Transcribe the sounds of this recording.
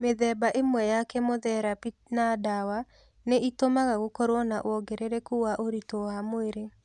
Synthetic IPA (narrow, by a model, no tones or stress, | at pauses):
meðɛbaʔemwɛjakɛmoðɛɾapinadawa | neʔitomaɣaɣokɔɾwɔnaʔwɔɡɛɾeɾɛkuaʔoɾitoamoeɾe